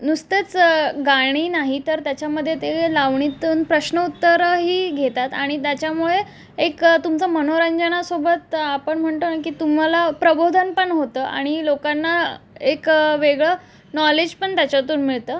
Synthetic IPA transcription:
nust̪et͡sɡaɽ̃iːnaɦit̪əɾt̪jat͡ɕjaməd̪ʱːjet̪elaʋɳit̪uːnpɾəɕnəut̪ːəɾɦiːɡʱet̪at̪aɽ̃it̪jat͡ɕjamuɭe | ekt̪umt͡samən̤oɾəɲd͡ʑənasobət̪apəɳm̤əɳt̪onakiːt̪um̤alapɾəbʱod̪ʱənpəɳɦot̪əːʔa̰ɽ̃ilokanːaekʋeɡɭə | nɔled͡ʑpəɳt̪jat͡ɕat̪uːnmiɭt̪əː

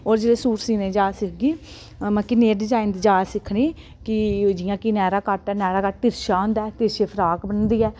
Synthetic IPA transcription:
oːɾd͡ʒeːɽeːsuːɾsiːnẽːd͡ʒaːsɪkʰɡiː | mə̃kineːɖɪd͡ʒaːɪnd̪d͡ʒaːsɪkʰniː | kɪd͡ʒɪjãːkinɛːɾaːkəʈɛːnɛːɾaːkəʈ̚t̪ɪɾʃaːɦʊ̃ːnd̪aːt̪ɪɾʃeːpʰəɾaːkbənd̪iːɛː

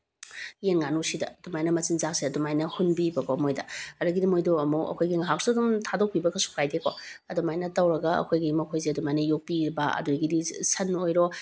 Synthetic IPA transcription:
jenŋanusidɐ̰d̥umajnɐmɐsinzakseɐdumajnɐhunbibɐkʰomojdɐɐɾɐɡidimojdoɐmoʔɐ̰kʰojɡiŋɐɦak̚sodumtʰadok̚pibɐkɐsu̥kʰɾajdekʰoɐdomajnɐtɐwɾɐɡɐɐ̰kʰojɡimɐkʰojzeɐdumajnɐjok̚piɾbɐɐ̰duɡidisɐnojɾo

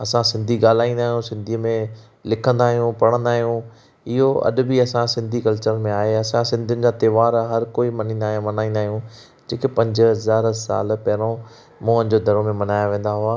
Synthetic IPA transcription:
ɐsãsɪ̃nd̪ʱiɠaːl̤aːĩːnd̪aːɦijũsɪ̃nd̪ʱiːmẽ | lɪkʰə̃nd̪aːɦijũpɐɽ̃ə̃nd̪aːɦijũ | ɪɦoɐ̰ɗʊ̆biɐsãsɪ̃nd̪ʱikɐlt͡ɕəɾmẽaːɦeɐsãsɪ̃nd̪ʱʊnɪ̆d͡ʑaːt̪ɐːʋaːɾɦɐɾkoːimɐnĩːnd̪aːɦmɐnaːĩːnd̪aːɦijũ | d͡ʑeːkepɐ̃ɲd͡ʑɦɐzaːɾsa̰ːlpɐɦɪɾõ | mũːə̃ñd͡ʑod̪ʱɐɾomẽmɐnaːjaʋẽːn̆d̪aɦʊaː

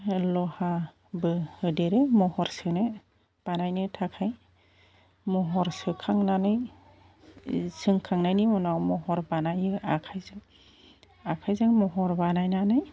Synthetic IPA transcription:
lɔha | bɯhɯdeɾemɔhɔɾsɯnɯ | b̥anajnɯtʰakʰaj | mɔɦɔɾsɯkʰaŋnanɯj | sɯŋkʰaŋnajnimɔnawmɔɦɔɾbanajɯakʰajzɯŋ | akʰajzaŋmɔɦɔɾbanajnanɯj

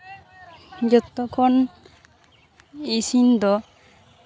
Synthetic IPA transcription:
d͡ʒɔt̪ːɔkʰɔn | isind̪ɔ

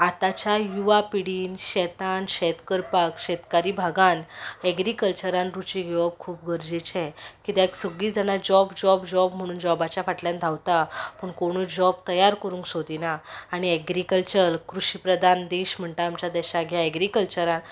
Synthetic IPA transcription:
at̪at͡ɕajuʋapiɽiːnɕɛt̪anɕɛt̪kəɾpakɕɛt̪kaɾiːbʱaɡanɛɡɾikəlt͡ɕəɾãnɾut͡ɕiɡʱeʋəp̚kʰuːpɡʱəɾd͡ʑit͡ɕʰɛ̃kit̪eɛksəɡɭiːd͡zanad͡ʑɔbd͡ʑɔbd͡ʑɔbm̤əɽ̃uːnd͡ʑɔbat͡ɕjafaʈljãnd̪ʱawt̪apəɳkoɽ̃uːd͡ʑɔbt̪əjaɾkəɾũːŋksod̪ʱinaːɽ̃iɛɡɾikəlt͡ɕəɾkɾuɕipɾəd̪ʱand̪eɕm̤əɳt̪aːmt͡ɕjad̪ɛɕaɡʱjaɛɡɾikəlt͡ɕəɾan

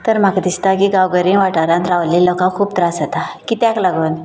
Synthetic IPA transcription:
t̪əɾm̤akd̪ist̪ak̬iːɡawɡəɾĩʋaʈaɾãnt̪ɾaʋlilɔkãkʰuːp̚t̪ɾasət̪akiːt̪ãklaɡuːn

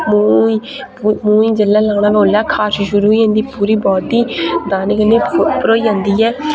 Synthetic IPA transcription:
muːi | mũːiːd͡ʒəlːaːlaːɽaːbõːnlaːkʰaːsʃʊɾuːiːãːnd̪iːpuːɾiːbɔːt̪iːd̪aːnəkəneːpəɾoːiːɦãːnd̪iːɛː

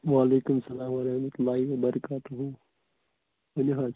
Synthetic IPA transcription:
ʋaːleːkʊmsɐlaːmʋɐɾɐhmɐt̪ʊlːaːɦiʋɐbɐɾɐkaːt̪uɦũː | ɐnɦãː

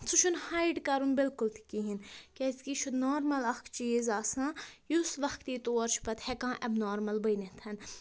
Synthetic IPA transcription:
sʰuʃʰunhaːjɖkɐɾunbɪlkʊlt̪ʰi̥kiɦinkɛskiʃʰud̪noːɾmɐlɐxkt͡ʃiːzaːsãːjusʋɐxkt̪iːt̪oːɐɾt͡ʃʰi̥pɐt̪hɛkãːʔɐbnoːɾmɐlbɐjnet̪ʰɐn

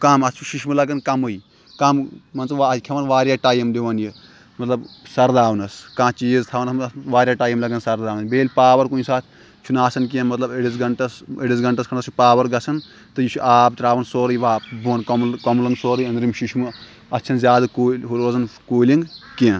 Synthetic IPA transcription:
kamɐt͡ʃʰuʃiʃmɨlɐɡɐnkɐmɨj | kɐmmɐnt͡sɐʋaikʲʰɐʋɐnʋaːɾjaːʈaːjɐmd̪eʋɐnji | mɐt̪lɐbsɐɾd̪aːʋɐnɐskãːt͡ʃiːzt̪ʰaʋɐnɐsmʋaːɾʲjaːʈaːjɐmlɐɡɐnsɐɾd̪aːʋnɐsbeːlʲpaːʋɐɾkuːnisaːt̪ʰ | t͡ʃʰunaːsɐnk̬ẽnmɐt̪lɐbeɽizɡɐɳʈɐseɽizɡɐɳʈɐskʰɐɳnɐsʰupaːʋɐɾɡɐt͡sʰɐn | t̪ɨjit͡ʃʰuʔaːbt̪ɾaːʋɐnsoːɾɐjʋaːbuɐnkɐmlkɐmlɐnsoːɾɐjɐ̃nd̪ɾimʃiʃmɨ | ɐst͡ʃʰɐnzʲjaːd̪ɨkolɦuɾoːzɐnkoːlʲĩŋɡkẽːn

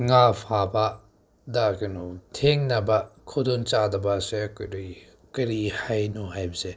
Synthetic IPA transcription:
ŋapʰaba | dakɐnutʰeŋnɐbɐkʰodunt͡ʃadɐbasekɾ | kɐɾihajnuɦajbɐse

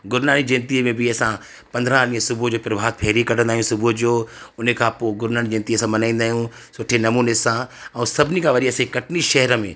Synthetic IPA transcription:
ɡʊɾnaːnid͡ʑɪ̃nt̪imẽbɪɐsã | pɐ̃nd̪ʱɾãlĩːə̃sʊbʱʊd͡ʑoːpɪɾʋ̤ʱaːd̪̚pʰeːɾikɐʈʰə̃nd̪aːɦjũsʊbʱʊd͡ʑoːʊnəkʰãːpoːɡʊɾnaːñid͡ʑɪ̃nt̪iəsãmɐnãːĩːnd̪aːɦijũ | sʊʈʰenɐmuːnesãɛ̃sɐbʱɪnikʰãʋɐɗiɐsẽkɐʈʰɪniʃɐɦɛɾəmḛ̃ː

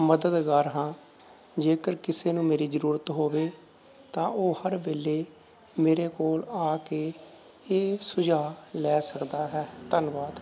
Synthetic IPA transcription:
məd̪əd̪ɡaːɾɦãː | d͡ʒeːkəɾkɪseːnũːmeːɾiːzəɾuːɾət̪ɦoːʋeː | t̪ãːʔoːhəɾbeːleː | meːɾeːkoːlaːkeː | eːsʊd͡ʒaːlɛːsəkd̪aːɦɛːt̪ənʋaːd̪

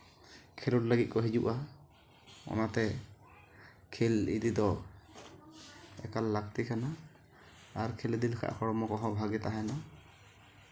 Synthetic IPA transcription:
kʰelɔʈləɡit̪̚kɔɦid͡ʒuʔa | ɔ̰nat̪ɛ | kʰelḭd̪id̪ɔ | ɛ̰kalːak̚t̪ikʰanaː | ɾkʰelid̪ilkʰa̰ʔxɔɽɔmɔkɔɦɔ̃bʱaɡɛt̪aɦana

